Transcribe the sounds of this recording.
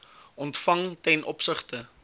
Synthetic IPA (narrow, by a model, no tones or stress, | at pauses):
ʔɔntfɐŋtɛnʔɔpsəχtə